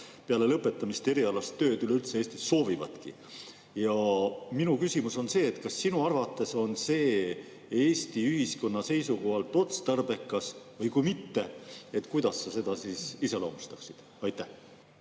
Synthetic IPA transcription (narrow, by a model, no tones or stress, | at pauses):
peɑle̞lɤpːˑe̞t̪ːˑɑmist̪e̞ɾiɑlɑst̪ːø̞ːd̪yleylt̪se̞eːst̪isːo̞ːvivɑ̰t̪kḭ | jɑminukysʲimuso̞nse̞ːet̪kɑsːinuɑrvɑt̪ːˑe̞so̞nse̞ː | eːst̪iyɦisko̞nːɑse̞jsuko̞ɦɑlt̪ˑo̞t̪st̪ɑrbe̞kːˑɑsvɤjkujmit̪ːe̞e̞t̪ːˑkujd̪̥ɑsːɑse̞d̪ɑsiːsise̞lo̞ːmust̪ɑksid̪̥ | ɑjt̪ːæh